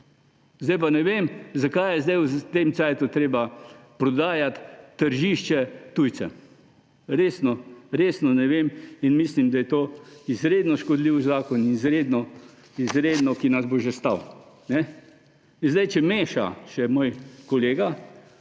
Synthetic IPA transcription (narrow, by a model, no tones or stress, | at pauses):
zd̪ajpanɛʋeːmzakajjɛzd̪ajwt̪emt̪sɛːt̪ut̪ɾeːbapɾɔd̪aːjat̪ːəɾʒiːʃt͡ʃɛt̪ujt̪t͡s̪ɛ̰ | ɾeːsnɔɾeːsnɔnɛʋeminmislimd̪ajɛt̪oːizɾeːd̪nɔʃkɔd̪liwzaːkɔninizɾeːd̪nɔ | izɾeːd̪nɔkinazboʒɛst̪awnɛ | nzd̪ajt͡ʃɛmeːʃa̰ʃɛmoːjkɔleːɡa